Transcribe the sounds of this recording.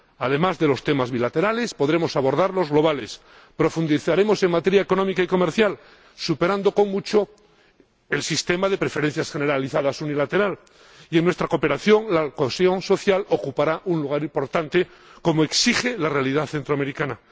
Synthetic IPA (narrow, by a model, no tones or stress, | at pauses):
aðe̞mazðe̞lo̞st̪e̞mazβilat̪e̞ɾale̞spo̞ðɾe̞mo̞saβo̞ɾðaɾlo̞zɣlo̞β̞ale̞s | pɾo̞fund̪iθaɾe̞mo̞se̞ŋmat̪e̞ɾjaeko̞nõ̞mikaiko̞me̞ɾθjal | supe̞ɾand̪o̞ko̞ŋmut͡ʃo | e̞lsist̪e̞maðe̞pɾe̞fe̞ɾe̞n̟θjasxe̞neɾaliθaðasunilat̪e̞ɾal | ie̞ŋnwe̞st̪ɾako̞pe̞ɾaθjo̞ŋlakoesjo̞nso̞θjalo̞kupaɾaʔunluɣ̞aɾimpo̞ɾt̪ant̪e̞ | ko̞moe̞ksixe̞lare̞aliðaθe̞nt̪ɾoameɾikana